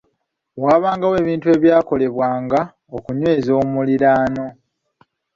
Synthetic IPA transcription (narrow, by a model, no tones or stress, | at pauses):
waːβaːŋɡawe̞ːβiːntue̞ːβjaːko̞le̞βwaːŋɡa | okuɲwe̞ːzo̞ːmuliɾaːno̞